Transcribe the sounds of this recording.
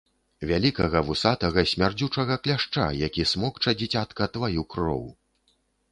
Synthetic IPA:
vʲalʲikɐɣɐvɨsat̪ɐɣɐsʲmʲard͡zʲut͡ʂɐɣɐklʲaʂt͡ʂa̰jakʲismɔkt͡ʂɐd͡zʲit͡sʲat̪kɐt̪vajukrɔ̰w

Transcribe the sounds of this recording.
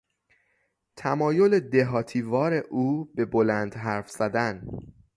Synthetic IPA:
t̪ʰæmɒːjo̞led̪e̞ɦɒːt̪ʰiːvɒːɾe̞ʔuːbe̞bolænd̪ɦæɾfz̥æd̪æn

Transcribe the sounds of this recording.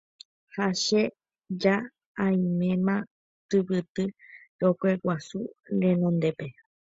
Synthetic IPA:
haʃe | d͡ʒa | ãjĩmẽmã | t̪ɨpɨt̪ɨɾokʷewʷasuɾẽnõnd̪epe̞

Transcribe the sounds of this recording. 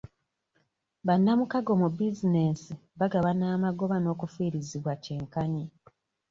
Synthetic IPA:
βanːamukaɡo̞mubizine̞ːsiβaɡaβanaːmaɡo̞βano̞ːkufuiːɾiziβwaceːŋkaɲi

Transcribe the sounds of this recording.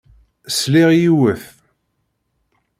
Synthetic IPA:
sliʁjiwəθ

